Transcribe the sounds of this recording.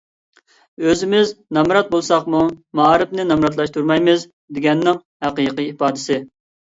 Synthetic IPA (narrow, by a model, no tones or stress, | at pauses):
øzɪmɪznɑmɾɑt̪̚bolˠsɑqmumɑɾɨpnɪnɑmɾɑt̪̬lˠɑʃt̪ʰuɾmɑjmɨz | d̪ɪɡʲɛnːɪŋ | hæqijqiipɑːd̪ɪsɪ